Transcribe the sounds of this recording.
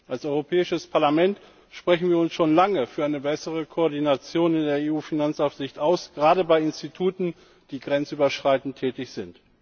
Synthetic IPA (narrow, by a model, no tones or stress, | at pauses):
ʔalsɔʏʁopʰɛːɪʃəspʰaɐlamɛnt | ʃpʁ̥ɛçn̩viːɐʊnsʃoːnlaŋəfyːɐaɪnəbɛsəʁ̞əkʰoɔɐdinat͡sjoːnɪndeːɐeːuːfinant͡saʊfz̥ɪçtʔaʊsɡ̥ʁaːɾəbaɪɪnstitʰuːtn̩ | d̥iːɡʁɛnt͡sʔyːbɐʃʁ̥aɪtn̩tʰːɛːtɪçz̥ɪnt